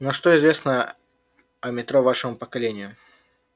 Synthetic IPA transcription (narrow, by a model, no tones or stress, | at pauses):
noʂt̪oɪzvʲe̞snə | ɐmʲɪt̪ɾovaʂəmʊpəkɐlʲenʲɪjʊ